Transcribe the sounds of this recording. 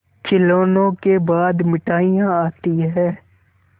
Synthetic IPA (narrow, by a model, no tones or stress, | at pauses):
t͡ʃɪloːnõkebaːd̪mɪʈaːijãaːt̪iɦɛː